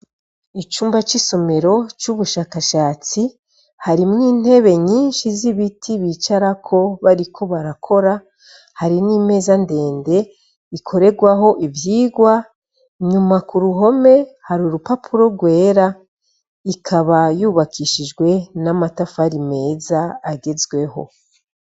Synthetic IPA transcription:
it͡ʃuːmbat͡ʃiso̞me̞ɾo̞t͡ʃuβuʃaːkaʃaːt͡si | haɾimŋiːn̥he̞βeɲiːnʃiziβitʰiβiːt͡ʃaɾakʰo̞βaɾikʰo̞βaɾakʰo̞ɾa | haɾiniːme̞ːzande̞ːnde̞ | ikʰo̞ɾe̞ɡwaɦo̞ʔivjiːɡwa | ɲumakuɾuɦo̞me̞haɾuɾupapʰuɾo̞ɡwe̞ːɾa | ikʰaβajuːβakʰiʃid͡ʒɡwe̞namatafaɾime̞ːzaːɡe̞zɡwe̞ɦo̞̰

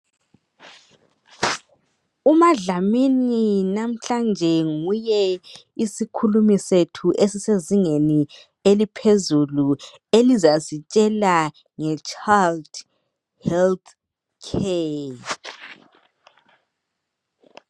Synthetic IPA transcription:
umaɮamininam̩ɬand͡ʒʱɛŋujɛisikʰulumisetʰuʔesiseziŋeni | elipʰezulu | elizasit͡ʃʼɛla | ŋɛt͡ʃʼald̥ | hɛlt | kʰe

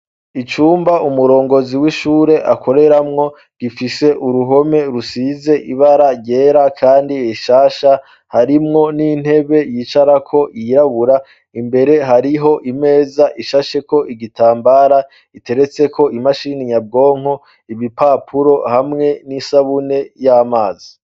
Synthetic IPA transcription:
it͡ʃuːmbaumuɾo̞ːŋɡo̞ziwiʃuːɾe̞ʔakʰo̞ɾe̞ɾamŋo̞ | ɡ̥ifise̞ʔuɾuɦo̞me̞ɾusize̞ʔiβaɾaɟe̞ːɾakʰaːndieʃaːʃa | haɾimŋo̞nin̥he̞βe̞jiːt͡ʃaɾakʰo̞jiɾaβuɾa | imbe̞ɾe̞ɦaɾiɦo̞ʔime̞ːzaʔiʃaʃe̞ko̞ʔiɡitaːmbaɾa | ite̞ɾe̞t͡se̞ko̞imaʃiniɲab̚ɡo̞ːŋo̞ | iβipaːpʰuɾo̞hamŋe̞nisaβune̞jaːmaːzi

